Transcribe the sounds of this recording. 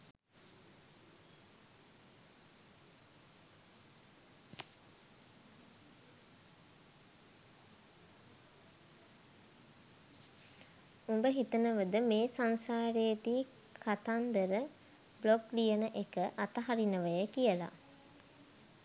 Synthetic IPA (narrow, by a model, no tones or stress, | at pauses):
umbəɦit̪ənəʋəd̪əmeːsansaːɾejt̪iː | kʰat̪and̪əɾə | bloklijənəʔekəʔat̪aɦaɾinəʋəjəkijəla̰